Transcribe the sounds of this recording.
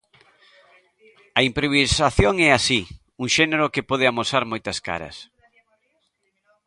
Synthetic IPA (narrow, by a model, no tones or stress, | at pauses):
ɐimpɾoβisaθjoŋɛasi | uŋʃɛneɾʊkepɔð̞ɪamosaɾmojt̪ɐska̰ɾɐ̰s